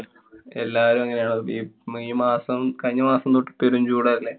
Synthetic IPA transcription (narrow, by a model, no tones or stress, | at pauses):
elːaːʋɐɾumɐŋːɐne̞jaːɳɨiːiːmaːsɐmkɐɻɲːɐmaːsɐmt̪oːʈːi̥pːeɾumd͡ʑuːɽaːɾilːe